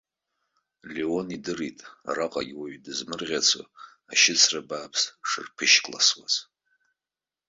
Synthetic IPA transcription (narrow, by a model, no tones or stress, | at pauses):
leo̞nidɨritʼa̰raqʼaɡʲwaɥdɨzmɨrʁʲat͡sʰo̰ | aʃɪt͡sʰrabaːpʰsʂɨ̰rpʰɨʃkʼla̰swaz